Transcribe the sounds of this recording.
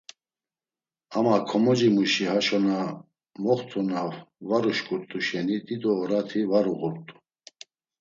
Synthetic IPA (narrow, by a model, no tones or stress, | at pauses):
amakʰɔmɔd͡ʒimuʃihaʃɔna | mɔχt̪ʰunavvaɾuʃkʼuɾt̪ʼuʃɛnid̪it̪ʼɔːɾat̪ʰivaɾuɣuɾt̪ʼu̥